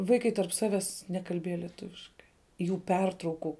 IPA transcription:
ˈʋɐɪkɐɪ tɐrp ˈsɑːʋʲɛs ˈnʲæːkɐlʲbʲiɛjɛ lʲiɛˈtʊʋʲɪʃkɐɪ juː ˈpʲɛrtrɐʊkʊ

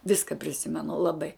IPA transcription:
ˈʋʲɪskɐ pʲrʲɪˈsʲɪmʲɛnʊ lˠɐˈbɐɪ

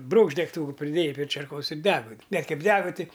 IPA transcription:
ˈbruːkʃt dʲɛkˈtuːkʊ pʲrʲɪˈdʲeːjɛɪ pʲrʲeː t͡ʃʲɛrˈkoːs ɪr ˈdʲæːɡʊ bʲɛt ˈkɐɪp ˈdʲæːɡɐ ˈtʲɪ

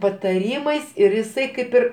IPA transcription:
pɐtɐˈrʲiːmɐɪs ɪr jɪˈsɐɪ ˈkɐɪp ɪr

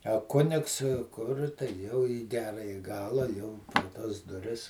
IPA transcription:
ɐ ˈkʊnʲɪks kʊr jɛʊ iː ˈɡʲæːrɐjɪ ˈɡɑːlˠɐ jɛʊ pʲɛr ˈtɐs dʊˈrʲɪs

